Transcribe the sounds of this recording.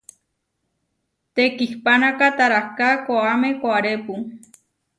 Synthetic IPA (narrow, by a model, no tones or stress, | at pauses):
t̪ekihpanakat̪aɾakakʷaamekʷaaɾepu